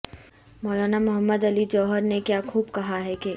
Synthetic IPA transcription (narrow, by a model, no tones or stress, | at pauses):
mɔːlaːnamʊɦəmːəd̪ɐlid͡ʒɔːɦəɾnekjaːkʰuːbkɐɦaɦɛke